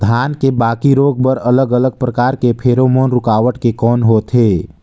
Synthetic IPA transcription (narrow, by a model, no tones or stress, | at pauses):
d̪ʱaːnkebaːkiɾoːɡ̚bəɾələɡələɡ̚pɾəkaːɾkepʰeːɾomoːnɾʊkaːʋəʈkekɔːnɦoːt̪ɦeː